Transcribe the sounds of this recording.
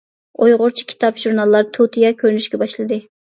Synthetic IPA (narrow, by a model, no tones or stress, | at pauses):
ojʁʊɾt͡ʃʰi̥kʲʰi̥t̪ʰɑpʒ̥uɾnɑlˠːɑɾt̪ʰut̪ʰijɑkʲʰøɾnyʃkʲɛbɑʃlˠɨd̪ɨ